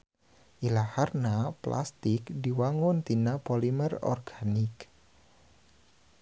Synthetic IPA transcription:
ʔilaharnapla̰st̪ɪkdiwaŋʊnt̪inapɔlimərɔ̰rɡ̥anɪk

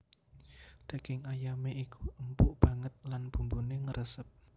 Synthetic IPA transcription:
d̪̥a̤ɡ̥ɪŋajameʔikuʔəmpʊʔb̥ä̤ŋət̪̚lanb̥ṳmbuneŋəɾʔəsət̪̚

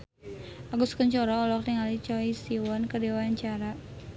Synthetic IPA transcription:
aɡuskəɲt͡ʃɔɾɔɔlɔk̚t̪iŋalit͡ʃɔisiwɔnkədiwaɲt͡ʃaɾa

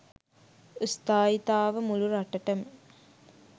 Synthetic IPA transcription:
ust̪aːit̪aːʋəmuluɾaʈəʈəmə

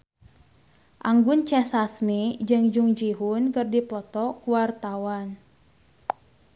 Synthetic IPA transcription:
ʔaŋɡʊnt͡ʃɛsasmid͡ʒɨŋd͡ʒuŋd͡ʒiɦunkɨrdipɔt̪ɔkuwart̪awan

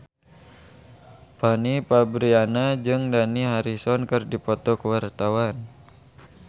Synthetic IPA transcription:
panipabɾianad͡ʒɨŋdaniɦaɾisɔnkɨrdipɔt̪ɔkəwart̪awan

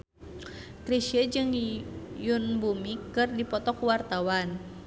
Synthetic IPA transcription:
kɾiʃəd͡ʒɨŋjunbumikɨrdipɔt̪ɔkuwart̪awan

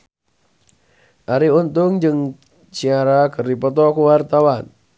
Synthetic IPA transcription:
ʔaɾiunt̪ʊŋd͡ʒɨŋ | t͡ʃiaɾakɨrdipɔt̪̬ɔkuwart̪awan

